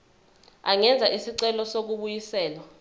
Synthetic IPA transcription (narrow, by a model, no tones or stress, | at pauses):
aŋɛnd͡zʱaʔisiǀɛlɔsok̬uɓujisɛːlwa